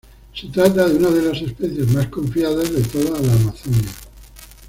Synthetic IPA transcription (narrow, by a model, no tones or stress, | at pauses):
se̞t̪ɾat̪aðeunað̞e̞lase̞speθje̞zmaskõ̞ɱfjaðazðe̞t̪oðalaːmaθonja